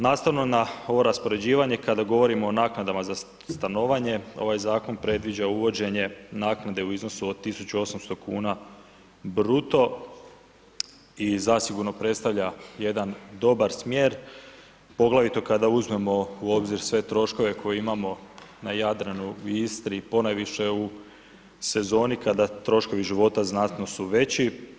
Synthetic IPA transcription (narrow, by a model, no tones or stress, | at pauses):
naːst̪aʋnonao̞ʋo̞ɾaspo̞ɾe̞d͡ʑiːʋaɲe̞kad̪aɡo̞ʋo̞ɾimo̞ːnaːknad̪amaza | st̪ano̞ʋaɲe̞o̞̰ʋajzaːko̞npɾe̞d̪ʋid͡ʑauʋo̞d͡ʑe̞ɲe̞naːknad̪e̞uizno̞suod̪t̪ːisut͡ɕuo̞samst̪o̞kuːna | bɾut̪o̞ | izasiɡuɾno̞pɾe̞t̪st̪aʋʎaje̞d̪and̪o̞baɾsmjeːɾ | po̞ɡlˠaʋit̪o̞kad̪auzme̞mo̞uo̞bziɾsʋe̞t̪ɾo̞ʃko̞ʋe̞kʰo̞jeimamo̞najad̪ɾanuist̪ɾipo̞najʋiʃe̞u | se̞zo̞ːnikad̪at̪ɾo̞ʃko̞ʋiʒiʋo̞t̪aznat̪no̞suʋe̞t͡ɕi